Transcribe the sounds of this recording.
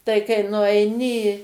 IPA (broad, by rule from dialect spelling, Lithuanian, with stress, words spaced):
tɐɪ kɐɪ nʊɐɪˈnʲɪ ɪ